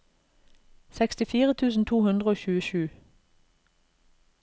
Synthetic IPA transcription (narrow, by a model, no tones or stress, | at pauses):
sɛkst̪ɪfiːʁət̪ʰʉːsn̩t̪ʰuːhʉnd̪ʁəoːçʉːəʃʉː